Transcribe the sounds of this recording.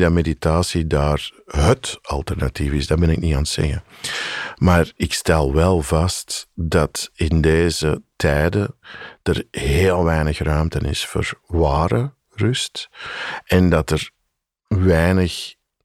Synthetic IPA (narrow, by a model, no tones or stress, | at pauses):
dɑmeditaːsidaːrɦətɑlˠtɛrnativɪzdabɛnɪkniaːnətsɛ̰ɣə | maːrɪkstɛlˠʋɛlˠvɑstdɑtɪndeːzətʰɛjdəd̥ərɦeːlˠʋɛjnəxrœɥmtənɪ̰sfo̰ːrʋaːɾə | rʏst | ɛndɑtər | ʋɛjnəx